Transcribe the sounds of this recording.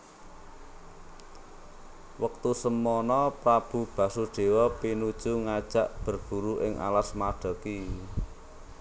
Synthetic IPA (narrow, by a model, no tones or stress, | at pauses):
wək̚t̪usəmɔnɔpɾab̥ṳb̥ä̤suɖ̥e̤wɔpinud̥ʒ̥uŋad̥ʒ̥a̤ʔb̥ərb̥ṳɾuʔɪŋʔa̰lasmaɖ̥ɔ̤ki